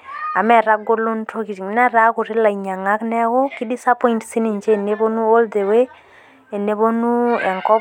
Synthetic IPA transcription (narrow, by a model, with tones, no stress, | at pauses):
a˨mɛ˦˨ɾa˦ɡo˦lo˦nto˦ki˨ti˨˦nɛ˦ɾa˦kʊ˨ɾɪ˦la˨i˨ɲa˨ŋa˦knɛ˦kɔ˦ki˦di˦sa˦pɔ˦intsi˦ni˨ɲt͡ʃe˦˨ne˦bo˦nu˦o˦lde˨we˦ | e˨ne˨bo˦nu˦ɛ̰˨ŋkɔ˦